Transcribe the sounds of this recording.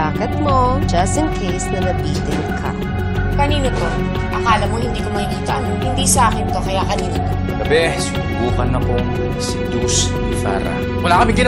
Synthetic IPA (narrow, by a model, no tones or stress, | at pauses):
aːkɐt̪̚mo̞d͡ʒɐst̪ɪnkʰejsd̪ɛlɐpiːt̪ɪnkʰɐ̰ | kɐniːnok̪o | ʔɐkaːlɐmoŋhɪnd̪iːkomɐhikiːt̪ɐ̰ʔɐnŋhɪnd̪iːsɐʔaːkɪnt̪o̞kɐjakɐniːnok̪o | kɐbɛsʊmʊbuːkɐnɐkoŋ | sid̪us | nɪfa̰ːɾa̰ | mɐlaːkɐbɪɡɪn